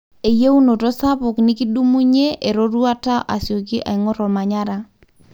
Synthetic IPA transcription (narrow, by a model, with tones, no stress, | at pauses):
e˨je˦u˦no˨to˦sa˦pʊ˨knɪ˦ki˦du˦mu˦ɲe˦ʔe˨ɾo˦ɾu˦a˦ta˦ʔa˨sjo˨ki˦ʔa̰˨ɪ˦ŋɔ˦ɾɔ˨ma˨ɲa˦ɾa˦